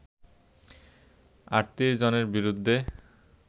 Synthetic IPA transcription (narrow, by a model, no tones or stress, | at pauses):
a̰ɾt̪iɾd͡ʑoneɾbiɾud̪ʱːe